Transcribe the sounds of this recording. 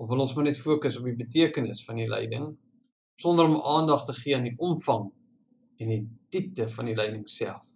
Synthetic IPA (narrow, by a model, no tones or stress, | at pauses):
ɔfvəlɔ̃nsmɑnɛtfuəkəsɔp̚ibətiəkənə̰sfɐnilɛ̰jdə̰ŋ | sɔndəɾɔmɑːndɐχtəχiəəndiʔɔmfɐŋ | ɛndititəfɐnilɛjdəŋsæ̰lˠf